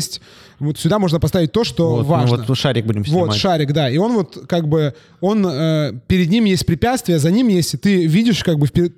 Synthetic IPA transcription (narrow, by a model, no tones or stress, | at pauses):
sʲtʲ | vot̪sʲʊd̪amo̞ʐnəpɐst̪avʲɪt̚ʲt̪o̞ʂt̪o̞vaəʂaɾʲɪɡ̚budʲɪmsvo̞t̪ʂaɾʲɪkd̪aio̞nvo̞t̪kaɡbɨ | o̞nəpʲɪɾʲɪd̪nʲimjesʲt̚ʲpɾʲɪpʲat̪st̪vʲɪjəzɐnʲimjesʲtʲɪt̪ɨvʲidʲɪʂkaɡ̚bɨfʲpʲɪ